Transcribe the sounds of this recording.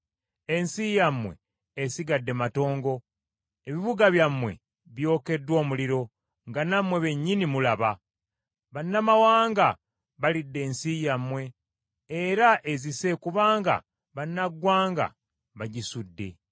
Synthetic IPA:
e̞nsijamwe̞̰ | esiɡadːe̞mato̞ːŋɡo̞ | eβiβuɡaβjamwe̞̰ | βjo̞ːke̞dwo̞ːmuliɾo̞ | ŋɡanamwe̞βe̞ɲːinimulaβa | βanːamawaːŋɡa | βalidːe̞ːnsijamwe̞ː | ɾaʔe̞zise̞kuβaːŋɡa̰ | βanːaɡwaːŋɡa̰ | βaɟisudːe̞̰

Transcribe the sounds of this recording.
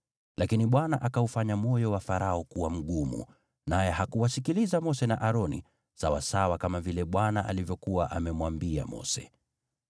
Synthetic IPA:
lakiniɓwanaʔakaufaɲamɔjɔwafaɾaɔkuwam̩ɠumṵ | najɛɦakuwasikilizamɔsɛna̰ʔaɾɔnḭ | sawa̰sawakamavilɛɓwanaʔa̰livjɔkuwaʔamɛmwambia̰mɔ̰sɛ̰

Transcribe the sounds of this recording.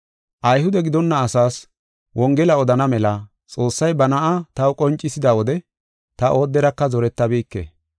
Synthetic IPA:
ʔɐjhʊd̪ɛɡɪd̪ɔnːɐːsaːs | wʔɔŋɡɛlɐɔd̪ɐnɐmɛlɐ | t͡sʼo̞ːsːɐjbɐnɐʔɐt̪ɐwkʼɔnt͡ʃʼːɪsɪd̪awɔd̪ɛ | t̪ɐʔo̞ːd̪ːɛɾɐkːɐzɔɾɛt̪ːɐbiːkːḛː

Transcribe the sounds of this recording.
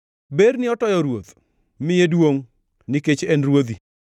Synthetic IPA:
beɾnɪɔtɔjɔɾwot̪ | mɪjedwoŋ | nɪket͡ʃɛnɾwod̪i

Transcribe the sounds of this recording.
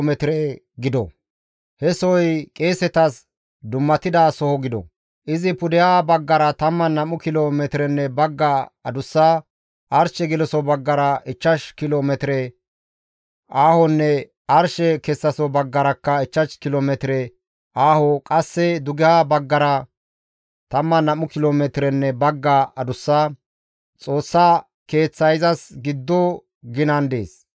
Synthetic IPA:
mɛt̪ɾɛ | ɡɪd̪ɔ̰ | hɛsɔjkʼeːsɛt̪ɐs | d̪ʊmːɐt̪ɪd̪aːsɔhɔɡɪd̪ɔ̰ | ʔɪzɪpʊd̪ɛjaːbɐɡːɐɾɐt̪ɐmːɐnɐmʊkɪloːmɛt̪ɪɾɛnːɛbɐɡːɐɐd̪ʊsːaː | ɐɾʃɛɡɪlɔsɔbɐɡːɐɾɐʔɪt͡ʃːɐʃkɪloːmɛt̪ɪɾɛ | ʔaːhɔnːɛ | ɐɾʃɛkɛsːɐsɔbɐɡːɐɾɐkːɐɪt͡ʃːɐʃkɪloːmɛt̪ɪɾɛ | aːhɔkʼɐsːɛd̪ʊɡɛhabɐɡːɐɾɐ | t̪ɐmːɐnɐmʊkɪloːmɛt̪ɪɾɛnːɛbɐɡːaɐd̪ʊsːaː | t͡sʼoːsːaː | ke̞ːt͡sːɐjɪzɐsɡɪd̪ːɔ | ɡɪnɐnd̪ḛːs

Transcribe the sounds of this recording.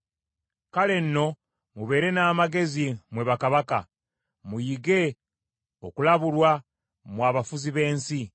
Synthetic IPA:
kale̞nːo̞ | muβe̞ːɾe̞naːmaɡe̞zimwe̞βakaβaka̰ | mujiɡe̞ | okulaβulwa | mwaːβafuziβe̞ːnsi

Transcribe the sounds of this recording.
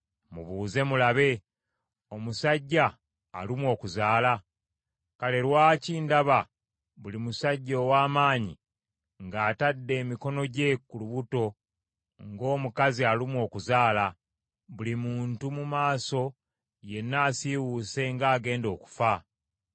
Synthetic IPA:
mṵβuːze̞mulaβe̞ | o̞musaɟːa̰ː | limwo̞ːkuzaːla | kale̞ɾwaːciːndaβa | βulimusaɟːoːwaːmaːɲḭ | ŋɡaːtadːe̞ːmiko̞no̞ɟe̞kuluβuto̞ | ŋɡo̞ːmukazialimwo̞ːkuzaːla | βulimuːntumumaːso̞ | je̞nːaːsiwuse̞ŋɡaːɡe̞ːndo̞ːku̥fa

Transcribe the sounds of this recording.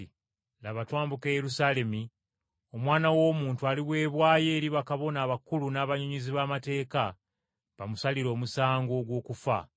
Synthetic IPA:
i | laβatwaːmbukeːjeɾusale̞mi | o̞mwaːnawo̞ːmuːntualiβwe̞ːβwaːje̞ːɾiβakaβo̞naːβakulunaːβaɲuɲiziβaːmate̞ːka | βamusaliɾo̞ːmusaːŋɡo̞ːɡwo̞ːkufa̰

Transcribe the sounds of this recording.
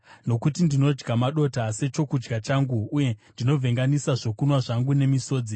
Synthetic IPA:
no̞kutindino̞d͡ʒɡamaɗo̞tase̞t͡ʃo̞kud͡ʒɡat͡ʃaŋɡuːje̞ndino̞vʱe̞ŋɡanisaʐo̞kunwaʐaŋɡune̞miso̞ːd͡zi

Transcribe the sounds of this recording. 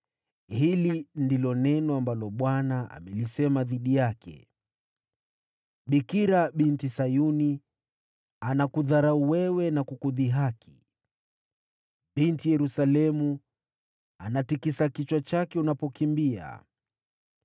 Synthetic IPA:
hilindilɔnɛnɔambalɔɓwanaʔa̰mɛlisɛmaðiɗijakʰɛ̰ | ɓikiɾaɓintisajuni | anakuðaɾauwɛwɛnakukuðiɦakʰi̥ | ɓintijɛɾusalɛmu | anatikisakit͡ʃwat͡ʃakɛunapɔkimbia̰

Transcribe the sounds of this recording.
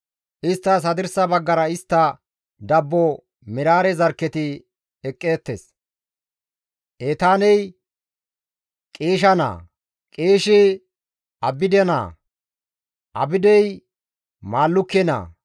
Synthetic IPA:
ʔɪst̪ːɐs̬ɐd̪ɪɾsɐbɐɡːɐɾɐɪst̪ːɐ | d̪ɐbːɔ | mɪɾaːɾɛzɐɾkːɛt̪ɪ | ɛkʼːe̞ːt̪ːes | ʔeːt̪aːnɛj | kʼeːʃɐna̰ː | kʼeːʃɛ | ɐbɪd̪ɛna̰ː | ʔɐ̰bɪd̪ɛj | maːlːʊkːɛna̰ː

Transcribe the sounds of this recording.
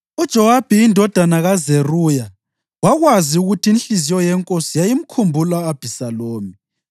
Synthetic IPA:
ud̥ʒ̥ʱɔwab̥ʱiindʱɔd̥ʱanaɣazeruːja | waɣwaziuɣutʰiːnɬizijɔjɛŋkʼosijajim̩kʰumbʱulaːb̥ʱisaloːmi

